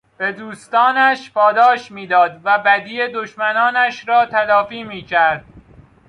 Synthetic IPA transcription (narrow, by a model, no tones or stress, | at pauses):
b̥e̞d̪uːst̪ɒːnæʃpʰɒːd̪ɒːʃmiːd̪ɒːd̪væbæd̪iːed̪oʃmænɒːnæʃɾɒːt̪ʰælɒːfiːmiːcʰæɾd̪̥̚